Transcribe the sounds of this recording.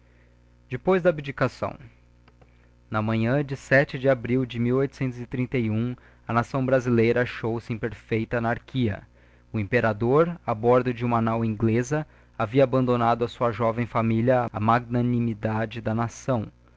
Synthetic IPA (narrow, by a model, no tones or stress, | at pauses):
d͡ʒɪpojzd̪ɐbed͡ʒikasɐ̰̃w̃ | nɐmɐ̃ɲɐ̃d͡ʒɪsɛt͡ʃɪd͡ʒɪabɾiwd͡ʒɪmiwojt̪ʊ̥sẽnt̪ʊzɪt̪ɾĩnt̪ɐjũ | ɐnasɐ̃w̃bɾazilejɾɐaʃowsɪĩpeɾfejt̪ɐnaɾkʰiɐ̰ | ʊĩmpeɾad̪oɾabɔɾd̪ʊd͡ʒɪũmanawĩɡlezɐ | aviɐabɐ̃nd̪onad̪ʊɐsuɐʒɔvẽj̃familjɐɐmaɡ̚nɐnimid̪ad͡ʒɪd̪ɐnasɐ̃w̃